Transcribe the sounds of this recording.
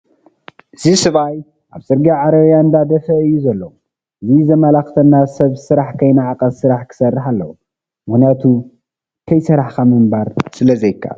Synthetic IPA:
ʔɨzisɨβaj | ʔaβsʼɨɾɡaʕaɾɐβjand̪ad̪ɐfɐɨjːuzɐlːo | ʔɨzizɐmɐlaxt̪ʰɐnːasɐβsɨɾaħkʰɐjnaʕakʼɐssɨɾaħkʰɨ̥sɐrːɨħalːɐ̰wu | mɨxnijat̪ʰu | kʰɐjsɐɾaħkʰamɨmbaɾsɨlɐzɐjkʰːa̰l

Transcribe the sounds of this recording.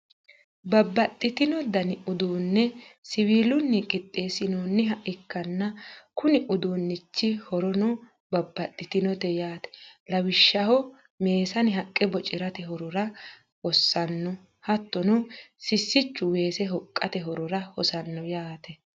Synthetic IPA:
bɐbːɐt̪ʼːɪt̪ɪnɔd̪ɐnɪʔʊd̪uːnːɛsɪwiːlʊnːikʼɪt̪ʼːe̞ːsɪnoːnːɪɦɐʔɪkːɐnːɐkʊnɪʔʊd̪uːnːɪt͡ʃːɪhɔɾɔnɔ | bɐbːɐt̪ʼːɪt̪ɪnɔt̪ɛjaːt̪ɛ̥lɐwɪʃːɐhɔ | me̞ːsɐnɪɦɐkʼːɛbɔt͡ʃʼɪɾɐt̪ɛɦɔɾɔɾɐ | hɔsːɐnːɔ | hɐt̪ːɔnɔsɪsːɪt͡ʃːʊwe̞ːsɛɦɔkʼːɐt̪ɛɦɔɾɔɾɐhɔsɐnːɔjaːt̪ɛ

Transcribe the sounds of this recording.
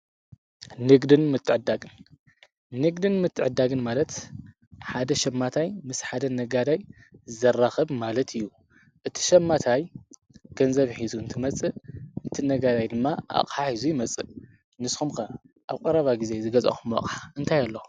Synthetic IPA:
nɨɡd̪ɨnmɨt̪ʰːɨʕɨd̪ːaɡɨn | nɨɡd̪ɨnmɨt̪ʰːɨʕɨd̪ːaɡɨnmalɐt̪ | ħad̪ɐʃɐmːat̪ʰajmɨsħad̪ɐnɐɡad̪aj | zɐrːaxɐβmalɐt̪ɨjːu | ʔɨt̪ʰi̥ʃɐmːat̪ʰaj | ɡ̥ʰɐnzɐβħizuɨnt̪ʰɨmɐt͡sʼɨʔɨt̪ʰinɐɡad̪ajd̪ɨmːaʔa̰χʼħaħizujimɐt͡sʼɨ | nɨsxumkɐ | ʔaβkʼɐɾɐβaɡize̞zɨɡɐzʼɐ̰xumːɐ̰kʼħɨnt̪ʰajalːou

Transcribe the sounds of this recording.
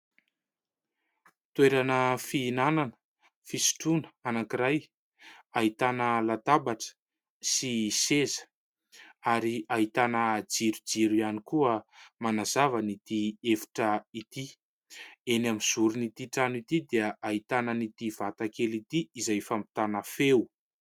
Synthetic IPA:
t̪weɾanəfiːnananə̥ | fisi̥ʈ͡ʂunə̥anakiɾaj | aɦit̪anəlat̪abaʈ͡ʂə̥ | sisezə̥ | aɾiaɦit̪anəd͡ziɾud͡ziɾianikuəmanazavənit̪iefi̥ʈ͡ʂəit̪i | enamiz̥uɾunit̪iʈ͡ʂanit̪id̪eəaɦit̪anənit̪iv̥at̪akelit̪iizajfampi̥t̪anəfew

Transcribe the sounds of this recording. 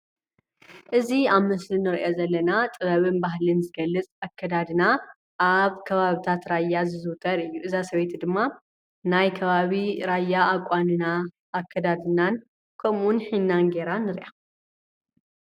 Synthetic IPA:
ʔɨziaβmɨslinɨɾʔo̞zɐlːɐnat̪ʼɨβɐβɨnbaɦlɨnzɨɡɐlːɨt͡sʼakʰːɐd̪ad̪ɨna | ʔaβkʰɐβaβit̪ʰat̪ɾajːazɨzɨwt̪ʰʼɐɾɨjːuʔɨzasɐβejt̪id̪ɨmːa | najkʰɐβaβiɾajaːkʼːanɨna | ʔːkʰːɐd̪ad̪ɨnan | kʰɐmunħinːanɡe̞ɾanːɨɾʔa

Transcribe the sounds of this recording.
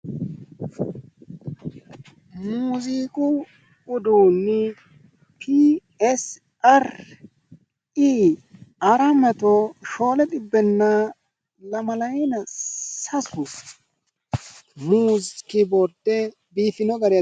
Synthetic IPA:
muːziːkʼʊ | ʊd̪uːnːɪ | pʰi | ɛs | ɐɾ | i | ɐɾɐmɐt̪oʃo̞ːlɛt̪ʼɪbːɛnːa | lɐmɐlɐjɛnɐsɐsʊ | muːzkɪbɔɾd̪ɛ | biːfɪnɔɡɐɾɪj

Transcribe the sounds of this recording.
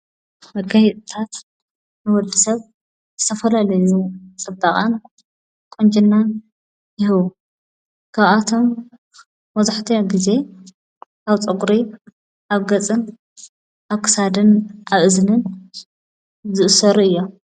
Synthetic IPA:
mɐɡajɛt̪ʼt̪ʰat̪ | nɨwɔd̪isɐβ | z̥ɨt̪ʰɐfɐlalɐjut͡sʼɨbaχʼa̰n | kʼond͡ʒʼinːan | jɪhɨβu | kʰaβat̪ʰo̞mː | ɐzaħt̪ʰɨɡize̞ | ʔaβt͡sʼɨkʼɾi | ʔaβɡɐt͡sʼɨn | ʔaβkʰɨ̥sad̪ɨnʔaβʔɨzɨnɨn | zɨʔɨsɐɾuɨjːom

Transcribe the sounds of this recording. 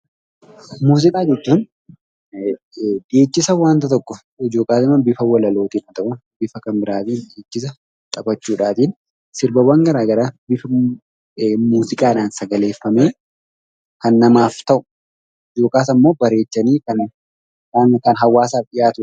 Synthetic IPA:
muːzɪkʼaːd͡ʒɛt͡ʃːuːn | d̪eːt͡ʃːɪsɐwaːnt̪ɐt̪ɔkːɔ | ɪd͡ʒo̞ːkʼaːsɪmɐbɪfɐwɐlɐlo̞ːt̪iːnɐt̪ɐʔʊbɪfɐkɐmbɪɾaːt̪iːnd̪eːt͡ʃːɪs̬ɐ | t̪ʼɐbɐt͡ʃːuːᶑaːt̪iːn | sɪɾbɐwɐŋɡɐɾaːɡɐɾaːbɪfɐ | muːzɪkʼaːnaːnsɐɡɐle̞ːfːɐmeː | kɐnːɐmaːft̪ɐʔʊ̥ | ɪd͡ʒo̞ːkʼaːsɐmːo̞ːbɐɾe̞ːt͡ʃːɐniːkɐn | ankɐnɦɐwːaːsaːfᶑɪjaːt̪ʊ

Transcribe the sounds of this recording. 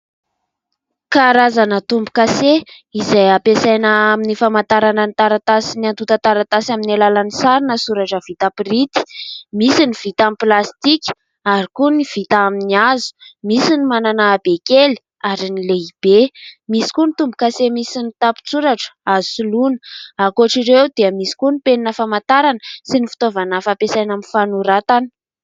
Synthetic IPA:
kaɾazanət̪umbukaseizajapesajnaaminifamant̪aɾanənit̪aɾat̪asiniant̪ut̪at̪aɾat̪asaminalalanisaɾinəsuɾaʈ͡ʂəv̥it̪apiɾit̪i̥misiniv̥it̪amiplast̪ikʲi̥ | aɾikuniv̥it̪aaminiazu̥misinimananaːbekeli̥ | aɾinileib̥emisi̥kunit̪umbukasemisinit̪api̥t͡suɾaʈ͡ʂə̥azu̥sulunəakuaʈ͡ʂiɾewd̪eəmisi̥kunipeninəfamant̪aɾanəsinifi̥t̪ovanəfapesajnaminfanuɾat̪anə̥

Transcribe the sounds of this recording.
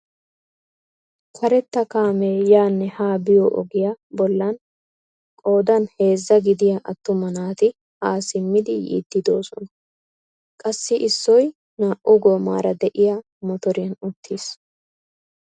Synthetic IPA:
kʰɐɾɛt̪ːɐkaːmeːjaːnːɛhaːbɪjɔʔɔ̰ɡɪjabɔlːɐn | kʼo̞ːd̪ɐnhe̞ːzːɐɡɪd̪ɪjaʔɐt̪ːʊmɐnaːt̪ɪ | haːsɪmːɪd̪ɪjḭːd̪̥ːɪd̪o̞ːsɔnɐ | kʼɐsːɪʔɪsːɔj | naːʔʔʊɡoːma̰ːɾɐd̪ɛʔɪja | mɔt̪ɔɾɪjɐnʊt̪ʰːis

